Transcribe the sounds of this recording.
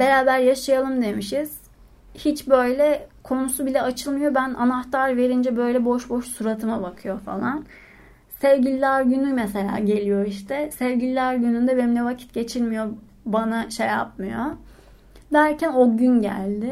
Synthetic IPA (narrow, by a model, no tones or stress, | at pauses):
b̥e̞ɾaːbæɾjaʃajalˠɯmd̪e̞miʃiz̥ | hit͡ʃbø̞jlʲɛkʰo̞nusubilʲɛat͡ʃʰɯlˠmɯjo̞bæna̰naxt̪ʰaɾve̞ɾind͡ʒɛbø̞jlʲɛbo̞ʃboʃsuɾat̪ʰɯmabakʰɯjo̞fa̰lˠan | sevɟilʲilʲæɾɟynymɛse̞lʲa̰ːɟe̞lʲijo̞iʃt̪ʰɛsɛvɟilʲilʲæɾɟynynd̪ɛbenimlʲɛvacʰi̥t̪̚ɟe̞t͡ʃʰilʲmijo̞ | banaʃeja̰p̚mɯjo | d̪æɾcʰæno̞ɟynɟæ̰lʲd̪ɪ